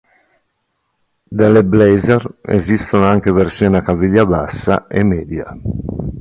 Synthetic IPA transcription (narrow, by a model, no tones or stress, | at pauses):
d̪elːeblejzɛrḛzist̪onoaŋkeveɾsjɔːnakaviʎːabasːa̰ʔemːɛːd̪ja̰